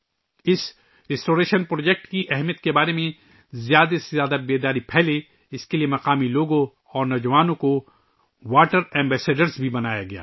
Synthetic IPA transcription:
ɪs | ɾɪsʈoːɾeːʃənpɾoːd͡ʒɛk̚ʈkiʔɛɦmijət̪̚kebaːɾemẽ | zjaːd̪asejaːd̪abeːd̪aːɾipʰɛːle | ɪskeliemɐqaːmiloːɡõ | ɔːɾnɔːd͡ʒɐʋaːnõko | ʋaːʈəɾɛ̃ːmbɛːseːɖəɾzbʱibɐnaːja̰ɡɐja̰ː

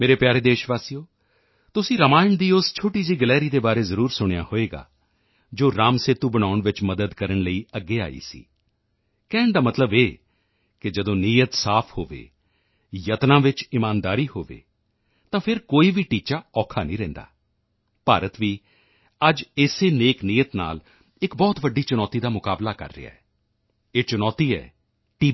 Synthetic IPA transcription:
meːɾeːpjaːɾeːd̪eːʃʋaːsiːjoː | t̪ʊsĩːɾəmaːɪɳd̪iːʊst͡ʃʰoːʈiːziːɡəlɛːɾiːd̪eːbaːɾeːzəɾuːɾsʊɽ̃ja̰ːhoːeːɡa̰ː | d͡ʒoːɾaːmset̪uːbəɽ̃aːʊɳʋɪt͡ʃməd̪əd̪kəɾəɳləiːəɡːeːa̰ːḭːsḭː | kɛːɳd̪aːmət̪ləbeː | kɪd͡ʒəd̪õːniːjət̪saːpʰhoːʋḛː | jət̪nãːʋɪt͡ʃɪmaːnd̪aːɾiːhoːʋḛː | t̪ãːpʰɪɾkoːiːʋiːʈiːt͡ʃaːɔːkʰaːnĩːɾɛ̃ːnd̪a̰ː | paːɾət̪ʋiː | əd͡ʒɪseːneːknijət̪na̰ːl | ɪkbɔːt̪ʋəɖiːt͡ʃʊnɔːt̪iːd̪aːmʊkaːblaːkə̰ɾːɪ̰ja̰ːɛː | eːt͡ʃʊnɔːt̪iːɛ̰ː | ʈiː

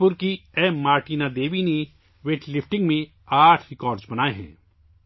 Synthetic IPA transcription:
ʊɾkiɛːmːaːɾʈiːnad̪eːʋine | ʋeːʈlɪfʰʈɪ̃ŋɡmẽ | aːʈʰɾɪkɔːɾɖzbɐnaːeɦɛ̰̃ː

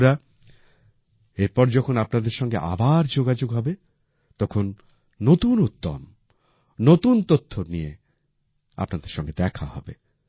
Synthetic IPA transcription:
ɾa | eɾpɔɾd͡ʑɔkʰonapnad̪eɾʃɔŋɡeʔa̰baɾd͡ʑoɡad͡ʑoɡɦɔbe | t̪ɔkʰonː | ot̪unut̪ːo̰m | not̪unt̪ot̪ʰːonije | a̰pnad̪eɾʃɔŋɡed̪ɛkʰa̰hɔ̰be

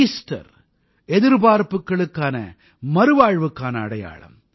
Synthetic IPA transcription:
ɪsʈɐ̰ɾ | ɛðɪɾbaːɾpɯkːɐɭɯkːaːnɐ̰ | mɐɾɯʋaːɻʋɯkːaːnɐːɽɐja̰ːɭɐ̰m

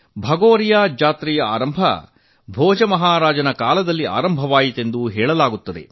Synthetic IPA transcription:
bʱɐɡoːɾijaːd͡ʒaːt̪ɾijɐa̰ːɾɐmbʱɐ̰ | bʱɔːd͡ʒɐmɐɦaːɾaːd͡ʒɐnɐkaːlɐd̪ɐlːiʔa̰ːɾɐmbʱɐʋaːjit̪e̞nd̪uɦɛːɭɐlaːɡut̪ːɐd̪e̞̰

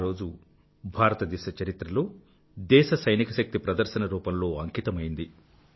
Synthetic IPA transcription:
ɾo̞ːd͡ʒu | bʱaːɾɐt̪ɐd̪ɛːʃɐt͡ʃɐɾit̪ɾɐloː | d̪ɛːʃɐsɐjnikɐʃɐk̚t̪ipɾɐd̪ɐɾʃɐnɐɾuːpɐmlo̞ːɐŋkit̪ɐmɐjind̪i

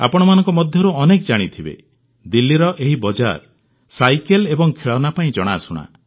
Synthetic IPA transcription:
a̰pɔɽ̃ɔmanɔ̃ŋkɔmɔd̪ʱjɔɾuɔnekd͡ʒaɽ̃it̪ʰibḛ | d̪ilːiɾɔʔeɦibɔd͡ʒa̰ɾ | sajkelebɔŋkʰeɭɔnapaĩd͡ʒɔɽ̃asuɽ̃a̰

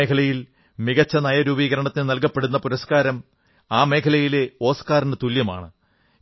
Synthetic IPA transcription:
kʰɐlɐjil | miɣɐt͡ɕːɐnɐjɐɾuːbiːɣɐɾɐɳɐt̪ːinnɐlkɐpːeɽunːɐpuɾɐskaːɾɐm | aːme̞ːkʰɐlɐjile̞o̞ːskaːrindet̪uljɐma̰ːɳɨ

